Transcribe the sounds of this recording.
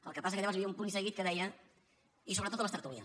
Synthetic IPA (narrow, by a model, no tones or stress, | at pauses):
əlˠkəpasəkəʎaβaz̬βiəumpunisəɣit̪̚kəðɛjə | is̬oβɾət̪ot̪ləst̪əɾt̪uβiə̰